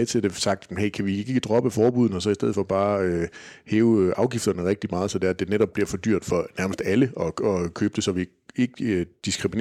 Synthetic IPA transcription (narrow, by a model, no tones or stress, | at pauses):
t͡sʰe̝d̥esɑ̈ɡ̥̚d̥heɪkʰæʋie̝ɡ̥e̝ɡ̥əd̥ʁɒ̽b̥əfɒːb̥uð̞̰ˠn̩ɒ̽sɒ̽isd̥eð̰ˠfɒ̽b̥ɑ̈ːøheːʊʔɑ̈ʊɡ̥ifd̥ɐnəʁɛɡ̥̚d̥imɑ̈ːð̞̩ˠsɒ̽d̥eɐæd̥e̝neɾɒ̽b̥liɐfɒ̽d̥y̰ɐ̰d̥fɒ̽næɐməsd̥æləɒ̽ɒkʰøːb̥d̥e̝sɒ̽ʋi | e̝ɡ̥əød̥isɡ̥ʁimin